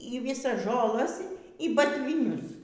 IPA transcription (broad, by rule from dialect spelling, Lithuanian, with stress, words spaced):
iː ˈʋʲɪsɐs ʒoːˈlˠɐs iː bɐtʲʋʲiːˈnʲʊs